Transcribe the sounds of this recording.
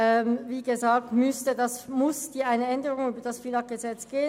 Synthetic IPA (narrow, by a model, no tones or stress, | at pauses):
ɛmviːɡəzaːk̚tmʏstədɑsmʊsd̥iːʔaɪnəɛndəʁʊŋyːbɐd̥ɑsfilɑk̚ɡ̥əzɛt͡sɡ̥eːə